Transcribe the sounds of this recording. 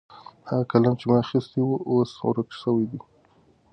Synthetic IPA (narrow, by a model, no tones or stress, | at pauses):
haɣakalant͡ʃemɑaxist̪iwuʔosw̰ɾəkʃəwid̪i